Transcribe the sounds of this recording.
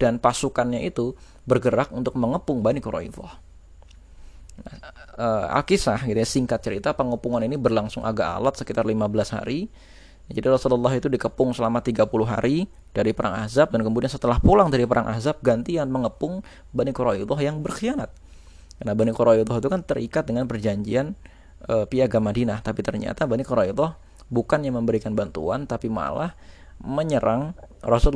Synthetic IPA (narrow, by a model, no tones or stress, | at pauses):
d̥anpasukanɲaʔit̪u | bərɡəɾakunt̪ʊk̚məŋəpʊŋbanikoɾa̰ḭd̪ɔ̰h | nahəa̰kisahɡit̪uɲasiŋkat̪̚t͡ʃəɾit̪apəŋəpuŋaninibərlaŋsʊŋʔa̰ɡa̰a̰lat̪̚səkit̪arlimabəlasha̰ɾi | d͡ʒadiɾɔsululːɑɦit̪udikəpʊŋsəlamat̪iɡapulʊɦa̰ɾi | d̥aɾipəɾaŋa̰zap̚dankəmbudiɲasət̪əlahpulaŋdaɾipəɾʔaŋʔa̰zap̚ɡant̪ianməŋəpʊŋ | banikoɾaid̪ɔhjaŋbərxianat̪̚ | karnabanikoɾaid̪ɔɦit̪ukant̪əɾʔikat̪̚dəŋanpərd͡ʒaɲd͡ʒian | ʔəpiaɡamadinaht̪apit̪ərɲa̰t̪abanikɔɾaid̪ɔh | bukanjaməmbəɾikanbant̪ṵant̪apima̰lah | məɲəɾʔaŋrɔsul